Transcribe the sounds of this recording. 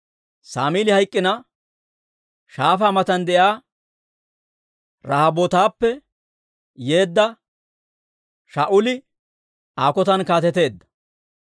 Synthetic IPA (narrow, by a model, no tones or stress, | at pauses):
saːmiːlɪhɐjkʼːɪnɐ | ʃaːfaːmɐt̪ɐnd̪ɛʔjaː | ɾɐhɐbot̪aːpːɛ | je̞ːd̪ːɐ | ʃaːʔʊlɪ | aːkɔt̪ɐnkaːt̪ɛt̪e̞ːd̪ːɐ̥